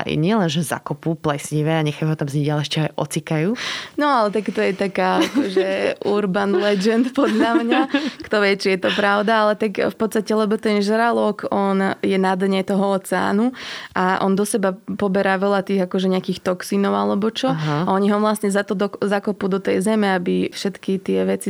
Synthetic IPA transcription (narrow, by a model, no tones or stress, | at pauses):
a̰ɲɪɛlɛnʒɛza̰kɔpuplɛsɲiʋɛaɲɛxajɦɔt̪amzɲiɟalɛɛʃt͡ʃɛɦajʔɔ̰t͡sikajuːnɔalɛt̪akt̪ɔjɛt̪akaːakɔʒɛʔuɾbanlɛd͡ʒɛnt̪pɔd̪ʎamɲakt̪ɔʋɛt͡ʃijɛt̪ɔpɾaʊd̪aalɛt̪akfpɔt̪st̪acɛlɛbɔt̪ɛnʒɾalɔkɔnjɛnad̪ɲɛt̪ɔɦɔɔt͡sɛa̰ːnuʔaʔɔnd̪ɔsɛbapɔbɛɾaːʋɛʎat̪iːɣakɔʒɛɲɛakiːxt̪ɔksinɔʊalɛbɔt͡ʃɔɦaɔɲiɦɔʋlast̪ɲɛzat̪ɔd̪ɔzakɔpud̪ɔt̪ɛjzɛmɛabifʃɛt̪kit̪ɪɛʋɛt͡si